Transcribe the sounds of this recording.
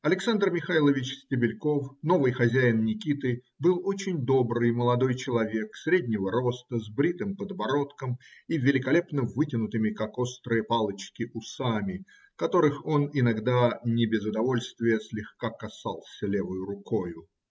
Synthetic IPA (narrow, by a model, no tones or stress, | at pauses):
ɐlʲɪksand̪rmʲɪxajlˠəvʲɪt͡ɕsʲtʲɪbʲɪlʲko̞fno̞vɨjxɐzʲæjɪnnʲɪkʲit̪ɨ | bɨlˠo̞t͡ɕɪnʲd̪o̞bɾɨjməlˠɐd̪ojt͡ɕɪlˠɐvʲe̞ksɾʲedʲnʲɪvəɾo̞st̪əzbɾʲit̪ɨmpəd̪vɐɾo̞t̪kəmivʲɪlʲɪkɐlʲe̞pnəvɨtʲɪnʊt̪ɨmʲɪkako̞st̪ɾɨjəpalˠət͡ɕkʲɪʔʊsamʲɪ | kɐt̪o̞ɾɨxo̞nɪnɐɡd̪anʲɪbʲɪzʊd̪ɐvo̞lʲst̪vʲɪjəsʲlʲɪxkakɐsa̰lˠsʲəlʲevəjʊɾʊko̞jʊ